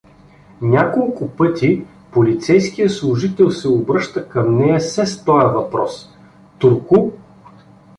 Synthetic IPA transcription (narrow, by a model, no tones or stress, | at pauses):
nʲakolˠkʊpɤt̪i | polit̪sɛjskijəslˠʊʒit̪ɛlˠsɛʊbɾɤʃt̪əkɐmnɛjɐsɛst̪ɔjɐvɐpɾɔs | t̪uɾkʊ